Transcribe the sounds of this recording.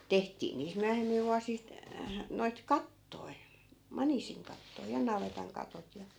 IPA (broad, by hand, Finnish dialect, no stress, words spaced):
tehtiː niːst myæhemːil ʋuɑsist noit kɑtːoi̯ mɑnisiŋkɑtːoi jɑ nɑʋetɑŋ kɑtot jɑ